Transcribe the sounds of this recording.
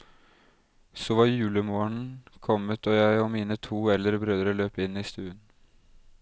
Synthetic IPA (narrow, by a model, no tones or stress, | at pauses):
soːʋɑɾjʉːləmoːəɳkʰɔmət̪ʰɔːjæɪɔmiːnət̪ʰuːɛlːəɾəbɾøːd̪ɾəløːpɪnːiːst̪ʉːən